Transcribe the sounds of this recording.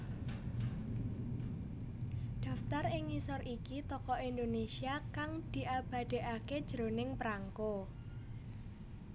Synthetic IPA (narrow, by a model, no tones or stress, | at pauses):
ɖ̪̥ä̤ft̪arɪŋisɔrikit̪ɔkɔʔind̪onesiakaŋd̪̥i̤ʔab̥ä̤d̪̥e̤ʔaked̥ʒ̥ɾo̤nɪŋpɾaŋko